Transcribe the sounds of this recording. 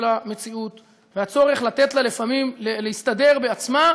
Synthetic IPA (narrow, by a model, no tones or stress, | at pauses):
lame̞t͡siut̪ | veat͡so̞ʁeχlat̪et̪lalefamimleleist̪ad̪e̞ʁbeat͡sma